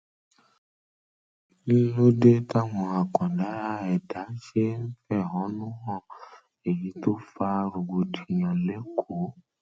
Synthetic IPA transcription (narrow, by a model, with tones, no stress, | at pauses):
ni˦lo˦de˦ta˦w̃ɔ̃˧a˨kɔ̃˨da˨˦ɾa˦ɛ˨da˨˦ʃe˦n̩˦fɛ˦˨ɔ˨˦nũ˦ɦɔ̃˦˨ | e˨jĩ˨˦to˦fa˧ɾu˨ɡ͡bo˨di˨ɲɔ̃˨le˨˦kʰo˨˦